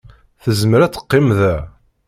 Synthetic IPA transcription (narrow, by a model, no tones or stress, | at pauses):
θəzməɾæt͡sːə̥qːɪmðæ